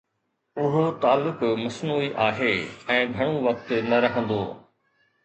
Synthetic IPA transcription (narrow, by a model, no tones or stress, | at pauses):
ʊɦot̪aːlːʊkmɐsnuːiʔaːɦeːɛ̃ːɡʱɐɽ̃oʋɐk̚t̪nɐɾɐɦə̃nd̪oː